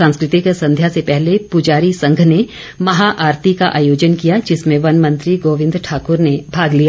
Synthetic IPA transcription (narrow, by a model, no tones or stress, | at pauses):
ãːskɾɪt̪ikesɐ̃nd̪ʱjasepɛɦlepʊd͡ʒaːɾisɐ̃ŋɡʱne | mɐɦaʔaːɾt̪ikaʔaːjoːd͡ʒənkijad͡ʒɪsmẽʋɐnmɐ̃nt̪ɾiɡoːʋɪ̃nd̪ɾʈʰaːkʊɾnebʱaːɡlija